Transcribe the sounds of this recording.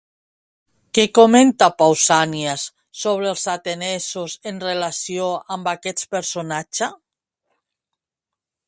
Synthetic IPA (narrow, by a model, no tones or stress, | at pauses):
kekoment̪apawsaniasː | oβ̞ɾelˠzat̪enɛsusenrelasioambakɛtpeɾsonat͡ʃa